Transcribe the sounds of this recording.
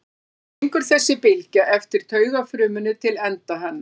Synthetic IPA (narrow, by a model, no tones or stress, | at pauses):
eŋkʏɾ̥θɛsːɪpɪlcaʔɛft̪ɪɾ̥t̪ʰœːɥɣafɾʏːmʏnʏt̪ʰɪlɛnt̪aɦɛnːa